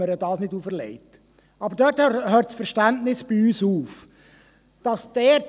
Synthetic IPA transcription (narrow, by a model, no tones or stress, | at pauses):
əɾədɑːsnɪduːfəɾlɛ̰ɪt | ɑbəɾdœɾthhœːtsfəɾʃtæntnɪsb̥ɪyːsuːf | d̥ɑsd̥ɛː